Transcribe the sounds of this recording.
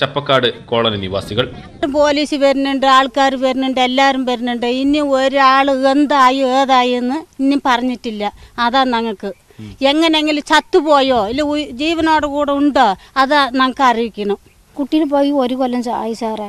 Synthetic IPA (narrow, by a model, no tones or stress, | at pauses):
t͡ɕɐpːɐkːaːɽɨko̞ːɭɐnɐniʋa̰ːsiɣɐɭ | umpo̞ːliːsɨʋɐɾunːuɳɖɨaːɭkaːɾuʋɐɾunːuɳɖɨe̞lːaːɾumʋɐɾnːuɳɖoinːio̞ɾuaːɭɨend̪aːjieːðaːjenːɨinipɐrɐɲːiʈːilːɐːðaːnɐŋːɐkːɨ | e̞ŋːɐneeŋːɡilt͡ɕɐt̪ːupo̞ːjoːilːɐd͡ʑiːʋɐno̞ːɽekuːɽeuɳɖoː | ɐðnɐŋːɐkːɨɐriʋikʲːɐɳu | kuʈːilɨpojioɾukolːɐɲsajisaːre